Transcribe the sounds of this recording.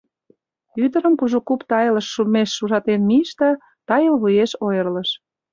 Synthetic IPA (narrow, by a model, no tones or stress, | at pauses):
yd̪ə̆ɾə̆mpuʒukupt̪ɑjlə̆ʃːulmeʃːuʒɑt̪enmiəʃt̪ə | t̪ɑjəlβujeʃojə̆rlə̆ʃ